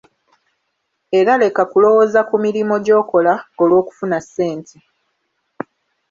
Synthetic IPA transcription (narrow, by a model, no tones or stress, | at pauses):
e̞ɾale̞kakulo̞wo̞zakumiɾimo̞ɟo̞ːko̞laolwo̞ːku̥funasːe̞ːntʰe